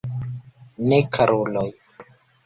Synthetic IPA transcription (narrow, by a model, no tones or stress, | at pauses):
nekʰaɾolɔj